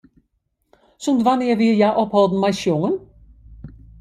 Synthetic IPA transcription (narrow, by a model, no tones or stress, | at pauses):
sʊmd̪ʋanɪəʋɪəjaːʔɔphɔlˠd̪n̩majsjʊŋən